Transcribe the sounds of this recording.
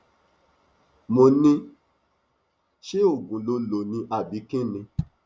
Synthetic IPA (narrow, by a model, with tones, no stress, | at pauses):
mo˧nĩ˧ | ʃe˦o˦˨ɡũ˨˦lo˧lo˨nĩ˧ʔa˦˨bi˨˦kĩ˦nĩ˧